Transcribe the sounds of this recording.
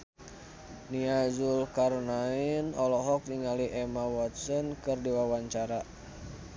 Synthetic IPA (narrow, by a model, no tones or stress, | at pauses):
niazulkarnainɔlɔɦɔk̚niŋaliʔɛmawɔt̪̚sɔnkɨrdiwawaɲt͡ʃaɾa